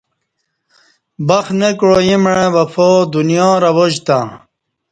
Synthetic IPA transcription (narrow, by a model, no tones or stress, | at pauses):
bɐxnekɻojimɻẽʋɐfod̪unjɔ̃ːɾɐwoʑt̪a̰